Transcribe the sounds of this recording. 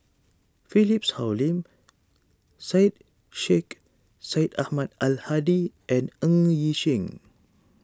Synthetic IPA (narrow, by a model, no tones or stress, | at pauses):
filipshawlĩm | sait̚ | ʃek | saitahmadalhadiʔɛ̃nə̃ŋjiʃĩŋ